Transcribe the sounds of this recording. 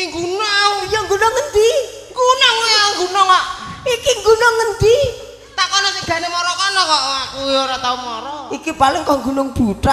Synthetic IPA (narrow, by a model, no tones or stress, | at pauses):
ŋɡunɔaujɔŋɡunoŋənd̪i | ŋɡunɔŋujauŋɡunɔŋaʔikiŋɡunoŋːənd̪i | t̪akɔnɔt̪iɡ̥ä̤nemɔɾɔkɔnɔkɔʔauoɾɔt̪aunmɔɾɔikipalɪŋkɔŋɡṳnʊŋb̥ut̪ɾa